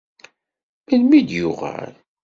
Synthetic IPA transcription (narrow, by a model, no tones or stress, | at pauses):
məlmid̪jʊʁæ̰l